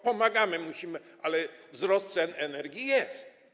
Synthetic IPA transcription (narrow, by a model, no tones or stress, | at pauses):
pɔmaɡamɘmuɕimɘ | alɛvzɾɔst̪t̪sɛnɛnɛɾɡʲjijɛst̪